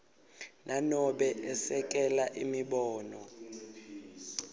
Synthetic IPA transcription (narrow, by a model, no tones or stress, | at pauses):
nʔanɔɓɛʔɛsɛk̬ʼɛlaʔimiɓɔːnɔ